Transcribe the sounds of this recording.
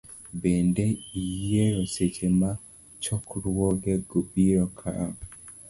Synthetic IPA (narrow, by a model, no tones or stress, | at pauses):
bendeijeɾoset͡ʃema | t͡ʃɔkɾwwɔɡeɡobiɾɔkʰa̰ɾa